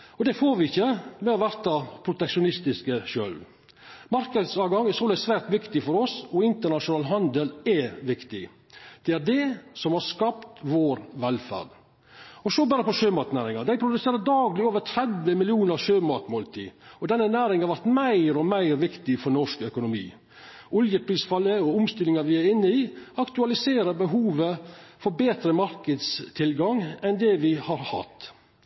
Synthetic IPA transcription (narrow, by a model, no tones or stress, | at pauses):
ɔd̪ɛfoːɾʋɪɪçːəmɛɔʋæɾt̪ɑpʰɾʊt̪ɛkʂʊnɪst̪ɪskəʃø̰ːlʋ | mɑɾkəd̪sɑːɡɑŋːæsoːlæsʋæːɾt̪ʋɪkt̪ɪfɔɾɔsɔɪnt̪əɳɑʂʊnɑːlɦɑnd̪əlɛʋɪkt̪ɪ | d̪̥ɛæɖɛsɔmhɑɾskɑpt̪ʋoːɾʋɛlfæ̰ɖ | ɔsɔbɑːɾəpɔʃøːmɑt̪næːɾɪŋɑd̪æɪpʰɾʊd̪ʉseːɾəd̪ɑːɡlɪoːʋəɾt̪ʰɾɛd̪ʋəmɪlɪuːnəɾʃøːmɑt̪moːlt̪ʰḭːɔd̪ɛnːənæːɾɪŋhɑɾʋæɾt̪mæɪɾɔmæɪɾʋɪkt̪ɪfɔɾnɔʂkœkʊnʊmḭː | ʔʊljəpʰɾiːsfɑlːəɔʊmst̪ɪlɪŋɑɾʋɪæɾɪnːəiːɑkt̪ʉɑlɪseːɾəɾbəɦuːʋəfɔɾbeːt̪ɾəmɑɾkəd̪st̪ʰɪlɡɑŋɛnd̪ɛʋɪhɑɾhɑ̰t̪ː